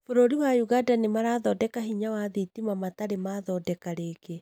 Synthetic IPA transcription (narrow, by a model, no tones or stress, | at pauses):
foɾoɾiwajuɣadanimaɾaːðɔdɛkaɦiɲawaðitimamataɾemaðɔdɛkaɾeːke